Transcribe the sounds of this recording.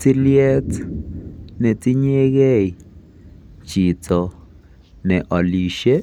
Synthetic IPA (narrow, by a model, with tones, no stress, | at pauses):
t͡si˦lje˦t͡s | ne˨t͡si˦ɲe˦ɣe˦j | t͡ʃi˨t͡so˨ | ne˨ʔo˨li˨ʃe˦